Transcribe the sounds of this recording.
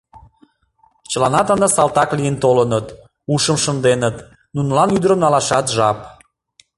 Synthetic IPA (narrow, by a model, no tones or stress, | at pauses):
t͡ɕəlɑnɑt̪ɑnd̪ɑsɑlt̪ɑklijənt̪olənət̪ | uʃəmʃə̆nd̪enət̪ | nunəlɑnyd̪əɾəmnɑlɑʃɑt̪ʒɑp